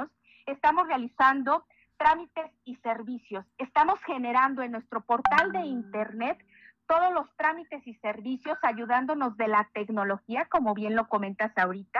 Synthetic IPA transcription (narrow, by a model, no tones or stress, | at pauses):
os | e̞st̪amo̞srealisand̪o̞ | t̪ɾamit̪e̞sise̞ɾβisjo̞se̞st̪amo̞sxe̞ne̞ɾand̪o̞e̞nːwest̪ɾo̞po̞ɾt̪ald̪e̞int̪e̞ɾne̞t̪ː | o̞ð̞o̞zlo̞st̪ɾamit̪e̞sise̞ɾβisjo̞saʝuðand̪o̞no̞zðe̞lat̪e̞kno̞lo̞xiako̞mo̞βje̞nlo̞ko̞mẽ̞nt̪asawɾit̪a